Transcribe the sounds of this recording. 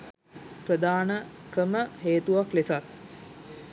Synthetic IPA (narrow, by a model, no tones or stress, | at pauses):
prəd̪aːnəkəməɦeːt̪uʋaklesat̪̚